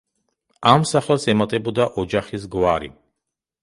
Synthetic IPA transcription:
amsaχɛlˠsɛmat̪ʼɛbɔd̪aʔɔd͡ʒaχisɡwaɾḭ

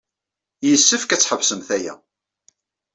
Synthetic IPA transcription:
jəsːəfkæt͡sːħəvsəmθæjæ̰

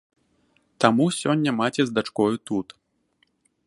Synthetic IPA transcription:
t̪amusʲɔnʲːɐmat͡sʲɛzd̪at͡ʂkɔjut̪ut̪

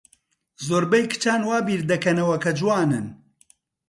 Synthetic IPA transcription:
zoːɾbɐjkɨ̥t͡ʃaːnwaːbiːɾd̪ɐkɐnɐwɐkʰɐd͡ʒuwaːnɨn

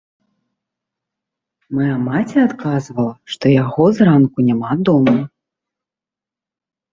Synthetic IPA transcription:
majamat͡sʲɛat̪kazvɐlˠɐʂt̪ɔjaɣɔzrankunʲamad̪ɔmu

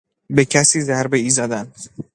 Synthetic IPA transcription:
becʰæsiːzæɾbeiːzɒd̪æn

